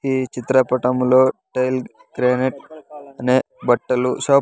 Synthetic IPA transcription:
iːt͡ʃit̪ɾɐpɐʈɐmlo̞ːʈejl | ɡɾeːneʈ̚ɐneː | bɐʈːɐluʃaː

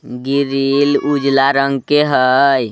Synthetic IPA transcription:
ɡiɾilud͡ʒlaɾəŋɡkeɦəj

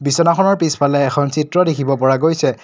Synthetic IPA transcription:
bisɔnakʰɔnɔɹpispʰalɛːkʰɔnsitɹɔdekʰibɔpɔɹaɡojsɛ

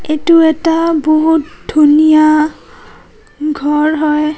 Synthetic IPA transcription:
etuɛtaboɦutdʱunija | ɡʱɔɹɦɔj

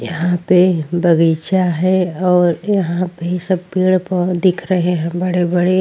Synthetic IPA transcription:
jɐɦãpebɐɡiːt͡ʃaɦɛɔːɾjɐɦãpeisɐb̚piːɽpəd̪ɪkʰɾɐɦeɦɛ̃bɐɽebɐɽe

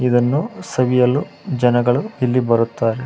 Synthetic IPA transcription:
id̪ɐnːusɐʋijɐlːu | d͡ʒɐnɐɡɐɭuilːibɐɾut̪ːaːɾe

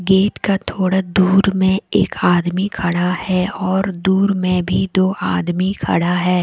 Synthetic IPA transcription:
ɡeːt̪kat̪ʰoːɽad̪uːɾmẽeːkʰaːd̪mikʰɐɽahɛɔːɾd̪uːɾmẽbʱid̪oːaːd̪mikʰɐ̰ɽaɦɛː

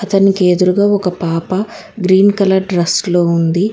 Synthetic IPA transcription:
ɐt̪ɐnikeːd̪uɾuɡaːɔkɐpaːpɐ | ɡɾiːnkɐlɐɾɖɾɐslo̞ːund̪i

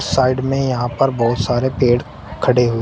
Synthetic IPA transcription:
saːɪɖmẽjɐɦãpɐɾbɔːʊt̪saːɾepeːɽ | kʰɐɽeɦʊe

